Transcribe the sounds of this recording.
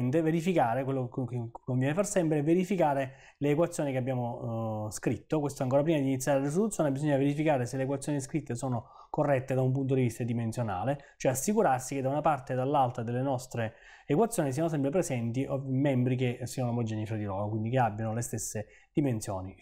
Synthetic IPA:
nt̪̬eveɾifikaːɾekwelːokkːoɱvjɛnefarsɛmpɾeɛveɾifikaːɾe | leːkwat̪sjoːnikeabːjaːmoskɾit̪ːokwest̪oɛaŋkoːɾapɾimad̪iːnit̪sjaːɾelaɾis̬ɾolut̪sjoːnebizɔɲːaveɾifikaːɾeseleːkwat̪sːjoːniskɾit̪ːesoːno | korːɛt̪ːed̪aump̬unt̪̬od̪ivist̪ad̪imensjona̰ːle | t͡ʃoɛasːikuɾarsiked̪ːaunapart̪ed̪alːalt̪ɾad̪elːenɔst̪ɾeː | kwat̪sjoːnis̬ianos̬ɛmpɾepɾezɛnt̪iʔomːɛmbɾik̬esːianoamod͡ʒɛːnifɾad̪iloːɾokwind̪ikeabːjanolest̪esːe | d̪̥imensjo̰ːni

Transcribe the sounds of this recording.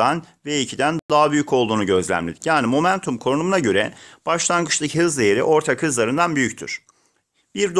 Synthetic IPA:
anvɛicʰid̪ænd̪aɦabyjycʰo̞lˠd̪uːnuɟø̞zlʲæ̰mlʲid̪ijaːnimo̞mænt̪ʰumkʰo̞nunumunaɟø̞ɾɛb̥aʃlˠanɡɯt͡ʃlˠɯcʰɯɦɯzd̪ejeɾḭʔo̞ɾt̪ʰakhɯzlˠaɾɯnd̪anbyjyc̚ʲt̪ʰy̰ɾ̥ | b̥iɾd̪

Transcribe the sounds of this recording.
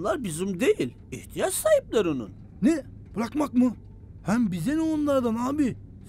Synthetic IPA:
lˠaɾbizumd̪ejilʲ | iht̪ʰijat͡ʃsaːhip̚lʲˠaɾunṵn | nɛ | b̥ɯɾakmakmɯ | hæmbizenionlˠaɾd̪anaːbi

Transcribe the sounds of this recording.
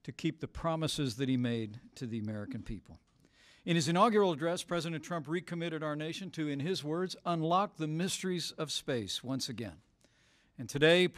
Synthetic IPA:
tʰɨkʰip̚ðɨpʰɹ̥ɑməsɨzðɨt̚himeɪd̚tʰɨðiɨmɛɹɨkɨ̃n̩pʰḭpl̩ˠ | ɨ̃nɨzɨ̃ñɑɡjə˞əbl̩ˠədɹɛspʰɹ̥ɛzɨɾɨ̃ntʰɹ̥ʌ̃mpɹikʰɨmɪɾɨɾaʊə˞neɪʃɨ̃ntʰɨɨ̃nɪzwɜ˞dzə̃nlɑk̚ðɨmɪstə˞izʌv̥speɪswʌ̃nsɨɡɛ̰̃n | ɨ̃ntʰɨdeɪ

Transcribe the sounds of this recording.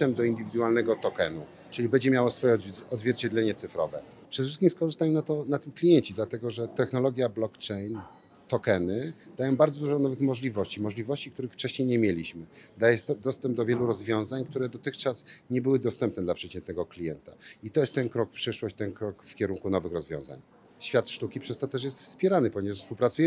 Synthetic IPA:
ɛmd̪ɔind̪ɘvʲid̪ualnɛɡɔt̪ɔkɛnu | ʈ͡ʂɘlʲibɛɲd͡ʑɛmʲjawɔsfɔjɛɔd̪zvʲjɛɾt͡ɕɛd̪lɛɲɛt̪sɘfɾɔvɛ | pʂɛd̪ɛʂɘskʲimskɔʐɨst̪aɲɛmnat̪ɔnat̪ɘmklʲijɛɲt͡ɕid̪lat̪ɛɡɔʐɛt̪ɛxnɔlɔɡʲjablɔkt͡ʂɛjn | t̪ɔkɛnɘd̪̥ajɔ̃w̃baɾd̪zɔd̪uʐɔnɔvɘxmɔʐlʲivɔɕt͡ɕimɔʐlʲivɔɕt͡ɕik̚t̪uɾɘxft͡ʂɛɕɲejɲemʲjelʲiɕmɘd̪ajɛst̪ɔd̪ɔst̪ɛmb̚d̪ɔvʲjɛluɾɔzvʲjɔ̃w̃zaɲkt̪uɾɛd̪ɔt̪ɘxt͡ʂasɲɛbɘwɘd̪ɔst̪ɛmpnɛd̪lapʂɛt͡ɕɛnt̪nɛɡɔklʲijɛnt̪ait̪ɔjɛst̪ːɛnkɾɔkfpʂɘʂwɔɕt͡ɕt̪ɛnkɾɔkfkʲɛɾuŋkunɔvɘxɾɔzvjɔ̰̃w̃za̰ɲ | ɕfʲjat̪ʂt̪ukʲipʂɛst̪ɔt̪ɛʂ̬jɛst̪fspʲjɛɾanɘpɔɲevaʂfspuwpɾat̪sujɛ

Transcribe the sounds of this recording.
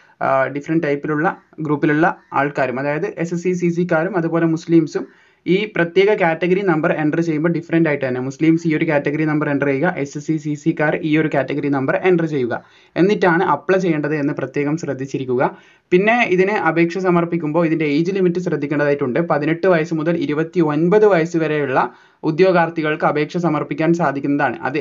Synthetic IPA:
ɖifɐrɐnɖʈɐjpːiluɭːɐ | ɡruːpːiluɭːɐa̰ːɭkaːɾumɐðaːjɐðɨʔe̞sesis̬is̬ikːaːɾumɐðubo̞ːle̞musliːmsum | iːprɐt̪je̞ːɣɐkaːtːeɣɐɾinɐmbɐre̞ɳɖrt͡ɕe̞jːumbo̞ːɖifɐɾɐndaːjiʈːɨt̪ɐnːe̞musliːmsiːo̞ɾukʲaːtːeɣɐɾinɐmbɐre̞ɳɖrejuɣɐʔe̞ssisisikːaːɾʔiːo̞ɾukʲaːtːeɣɐɾinɐmbɐrʔe̞ɳɖrt͡ɕe̞jːuɣɐ̰ | e̞nːitːaːɳɨʔɐpːɭɐt͡ɕe̞jːeɳɖɐðɨenːɨprɐt̪je̞ːɣɐmɕrɐd̪ːit͡ɕːiɾikʲːuɣɐ | pinːe̞iðinɨʔɐbʱe̞ːkʂɐsɐmɐrpikʲːumbo̞ːiðindeejd͡ʑɨlimitːɨɕ̬rɐd̪ʱːikʲːɐɳɖɐðaːjiʈːuɳɖɨpɐðineʈːɨʋɐjɐsɨmuðɐliɾubɐt̪ːio̞nbɐðɨʋɐjɐsɨʋɐɾe̞juɭːɐ | ud̪jo̞ːɡaːrt̪iɣɐɭkɨɐbe̞ːkʂɐsɐmɐrpikʲːaːnsaːd̪ʱikʲːunːɐðaːɳɨ̰ʔɐ̰ðɨ

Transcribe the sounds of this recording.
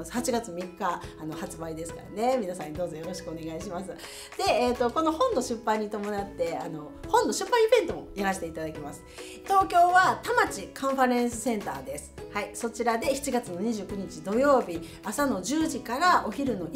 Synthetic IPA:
hat͡ɕiɡat͡sɨmʲikːaːno̞hat͡sɨbaid̪e̞sɨ̥ka̰ɾane̞mʲinasãɲ̟ːid̪oːzo̞jo̞ɾo̞ɕi̥kɯo̞ne̞ɡaiɕimasɨ | d̪̥e̞et̪ːo̞ko̞no̞hõ̞nːo̞ɕɨpːãɲ̟ːit̪o̞mo̞nat̪ːe̞ano̞ | hõ̞nːo̞ɕɨpːãibẽ̞nt̪o̞mo̞jaɾaɕi̥t̪e̞it̪ad̪akʲimasɨ̥ | t̪o̞ːkʲo̞ːβat̪amat͡ɕikãɰ̃ɸaɾẽ̞ɰ̃sɨsẽ̞nt̪a̰ːd̪esɨ̥haiso̞t͡ɕiɾad̪e̞çi̥t͡ɕiɡat͡sɨno̞ɲ̟iʑɨːkɯ̟ɲ̟it͡ɕid̪o̞jo̞ːbʲi | asano̞d͡ʑɨːʑikaɾao̞çiɾɯ̟no̞

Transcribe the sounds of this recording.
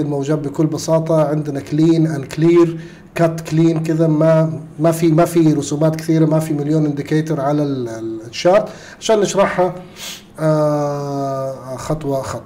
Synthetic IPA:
ɪlmawd͡ʒaːbbɪkʊlːbɑsɑːt̪ˤɑʕɪnd̪nakliːnʔankliːɾ | kat̪ːkliːnkɪðamamafimafiɾʊsuːmaːt̪kɪ̥θiːɾamafimɪljoːnʔɪnd̪ɪkeːt̪ʊɾˤʕalalʃːaːt̪ | ʕʕaʃaːnːɪʃɾˤɑħha | xɑt̪ˤwɑxɑt̪ˤ

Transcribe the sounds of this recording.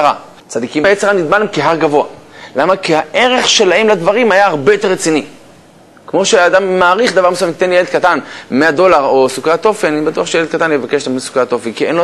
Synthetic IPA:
ʁa | t͡sad̪ikimajet͡seʁanid̪malemkeɦaʁɡavo̞alamakiaʔe̞ʁe̞χʃe̞lahemlad̪vaʁimajaaʁbe̞jot̪e̞ʁːet͡sini | kmo̞ʃead̪amːaːʁiχd̪avaʁmesuamt̪enlijeld̪̚kat̪anmead̪o̞laʁo̞sukat̪o̞fenanibat̪uaχʃejeld̪̚kat̪anjevakeʃtamnisu̥kat̪ofenkienlo

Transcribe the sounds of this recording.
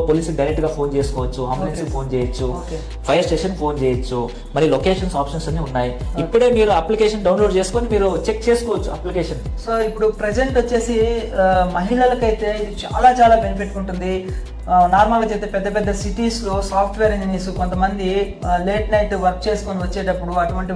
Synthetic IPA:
poːliːsluɖɐjɾekʈɡaːpʰo̞ːnt͡ʃeːsu̥kɔːʋɐt͡ʃːuɐmenspʰo̞ːnt͡ʃɛːjɐt͡ʃːu | pʰɐjɐɾsʈeːʂɐnpʰo̞ːnt͡ʃeːjɐt͡ʃːu | mɐɾilokeːʂɐnsaːpʂɐnsɐnːiunːaːjiipːuɽe̞ːmiːɾuɐplikeːʂɐnɖɐwnloːɖt͡ʃe̞ːsu̥koːnimiːɾut͡ʃekt͡ʃeːsu̥kɔːʋɐt͡ʃːuɐplikeːʂɐn | soːipːuɽupɾed͡ʒeɳʈot͡ʃːe̞ːsi | mɐɦiɭɐlɐkɐjt̪e̞ːid̪it͡ʃaːlaːt͡ʃaːlaːbenipʰiʈːuɳʈund̪i | naːɾmaːlɐt͡ʃeːt̪eːpɛd̪ːɐpɛd̪ːɐsiʈiːslo̞ːsaːpʰʈʰʋeːɾiɲd͡ʒiniːsukont̪ɐmɐnd̪i | le̞ːʈnɐjʈʋɐɾk̚t͡ʃeːsukoniʋɐt͡ʃːe̞ːʈ̬ɐpːuɽuɐʈuʋɐɳʈi

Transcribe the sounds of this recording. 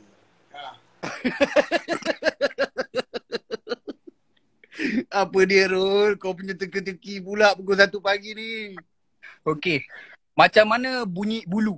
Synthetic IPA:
a | apədiəɾolkawp̬uɲət̪əkət̪əkipulaʔpəkos̬at̪upaɡini | oke | mat͡ʃamːanabuɲiʔbulu

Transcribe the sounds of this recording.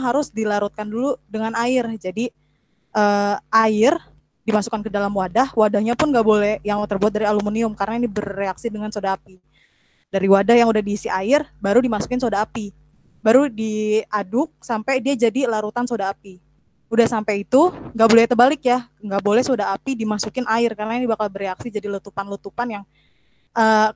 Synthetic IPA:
ɦaɾʊsdilaɾut̪̚kanduludəŋanaɪrd͡ʒadi | ʔəʔaɪr | dimasu̥kankədalamwadahwadahɲapʊnɡabolɛhjaŋt̪ːərbuat̪̚daɾialumuniʊmkarnainibərːeaksidəŋansodaapi | daɾiwadahjaŋudahdiːsiʔaɪrbaɾudimasu̥kɪnsodaːpi | baɾudiadʊk̚sampajdiad͡ʒadilaɾut̪ansodaːpi | udahsampajit̪uŋɡabolɛt̪əbalɪkja | ŋɡaʔbolɛhsodaapidimasukɪnʔaɪrkarənainibakalbəreaksid͡ʒadilət̪upanlut̪upanjaŋ | ʔəː

